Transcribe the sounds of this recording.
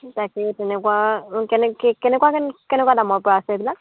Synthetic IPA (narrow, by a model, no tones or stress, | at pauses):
takɛtɛnɛkuwakɛnɛkɛkɛnɛkwakɛkɛnɛkuwadamɔɹpɔɹaasɛbila